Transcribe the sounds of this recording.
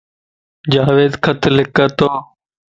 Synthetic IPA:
d͡ʒaːʋeːd̪kʰət̪ʰlɪkəːt̪oː

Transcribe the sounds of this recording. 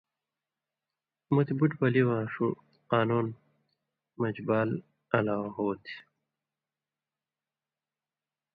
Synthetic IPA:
mut̪ibuʈbɐliwãːʂu | qaːnuːn | mɐd͡ʑbaːl | ɐlaːwɦoːt̪ʰi̥

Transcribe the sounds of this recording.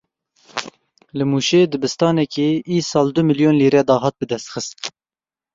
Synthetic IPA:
lɨmuːʃeːd̪ɨbɨst̪ɑːnɛkeːʔiːsɑːld̪ʊmɨljoːnliːɾɛd̪ɑːɦɑːt̪̚bɨd̪ɛst̪xɨst̪̚

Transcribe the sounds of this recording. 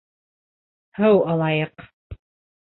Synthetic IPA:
hɤwɑlˠɑjɤq

